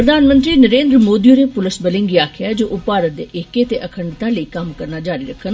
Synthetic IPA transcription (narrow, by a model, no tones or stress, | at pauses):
pɾəd̪ʱaːnmə̃nt̪ɾinəɾeːnd̪ɾmoːd̪iunepʊlɪsbəlɪ̃ŋɡiaːkʰɪjad͡ʒoːʔʊpaːɾət̪̚d̪ḛːʔɪket̪eʔəkʰəɳɖt̪ãləikɐmkəɾnad͡ʒaːɾiɾəkʰːən